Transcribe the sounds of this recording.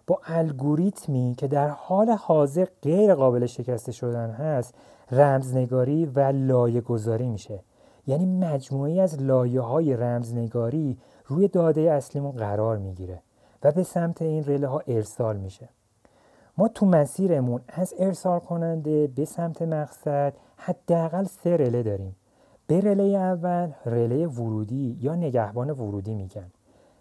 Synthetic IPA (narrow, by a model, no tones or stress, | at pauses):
b̥ɒːʔælɡoɾit̪ʰmiːcʰe̞d̪æɾhɒːle̞hɒːze̞ɾɢe̞jɾeɣɒːbe̞le̞ʃe̞cʰæst̪e̞ʃo̞d̪ænɦæst̪ | ræmzne̞ɡɒːɾiːvælɒːje̞ɡo̞zɒːɾiːmiʃe̞ | jæːniːmæd͡ʒmuːejiæzlɒːje̞ɦɒːje̞ɾæmzne̞ɡɒːɾiː | ɾuːjed̪ɒːd̪ejeæslimunɣæɾɒːɾmiɟiːɾe | væbe̞sæmt̪ʰe̞iːnre̞leɦɒːʔe̞ɾsɒːlmiːʃe | mɒːt̪ʰumæsiːɾe̞munæze̞ɾsɒːlkʰo̞nænd̪ebe̞sæmt̪ʰemæɣsæd̪̥ | hæd̪̥ːeæɣælse̞ɾe̞le̞d̪ɒːɾim | b̥e̞ɾe̞lejeævːælre̞leje̞voɾuːd̪iːjɒːne̞ɟæhbɒːne̞voɾuːd̪imiːɟæn